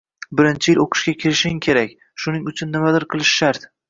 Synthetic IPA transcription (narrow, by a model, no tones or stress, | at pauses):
bɪɾɪnt͡ʃʰɪjɪlʔoqʰɨ̥ʃkʲakʲʰɪɾɪʃɪŋkʲʰe̞ɾak̚ʲ | ʃʊnɪŋʊt͡ʃʰʊnːɪmad̪ɪɾqʰɨlˠɪʃʃaɾd̪